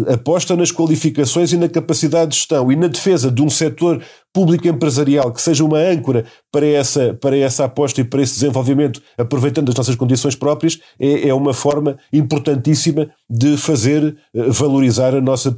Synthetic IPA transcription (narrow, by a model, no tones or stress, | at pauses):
ɐpɔʃt̪ɐnɐʃkwɐlˠifikɐsõj̃zinɐkɐpɐsiðaðd̪ːʒ̥ʃt̪ɐ̃w̃inɐðɨfezɐðũsɛt̪oɾ | puβlˠikẽmpɾɨzɐɾialˠkɨ̥seʒɐumɐɐ̃ŋkuɾɐ | pɐɾɐɛsɐpɐɾɐɛsapɔʃt̪ɐipɐɾɐesd̪zẽvolˠvimẽnt̪u̥ɐpɾuvɐjt̪ɐ̃nd̪ɐʒnɔsɐʃkõnd̪isõj̃ʃpɾɔpɾiɐʃ | ɛʔɛumɐfɔɾmɐĩmpuɾt̪ɐ̃nt̪isimɐ | d̪ɨfɐzeɾvɐlˠuɾizaɾɐnɔsɐ